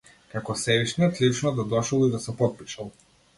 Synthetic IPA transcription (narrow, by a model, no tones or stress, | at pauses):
kakɔsɛviʃniɛt̪lit͡ʃnɔd̪ad̪ɔʃɔlˠid̪asɛpɔt̪̚piʃalˠ